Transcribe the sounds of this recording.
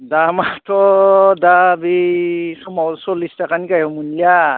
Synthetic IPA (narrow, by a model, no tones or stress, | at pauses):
damatʰɔdabisɔmasɔlistakanikajɔmunlia